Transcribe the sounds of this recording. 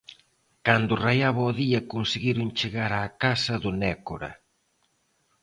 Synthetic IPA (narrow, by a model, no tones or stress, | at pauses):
kand̪ʊrajaβɔːðiɐkonseɣiɾʊŋt͡ʃeɣaɾaːkasɐðʊnɛkoɾɐ̰